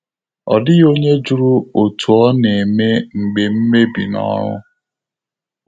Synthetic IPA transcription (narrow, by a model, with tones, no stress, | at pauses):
ɔ̰˨dɪ˦jo˦ɲe˦d͡ʒu˦ɾu˦o˨tʰu˨ɔ˦ne˨me˦ŋ͡m̩˨ɡ͡be˨m̩˦me˦bḭ˨nɔ̰˦ɾʊ̰˦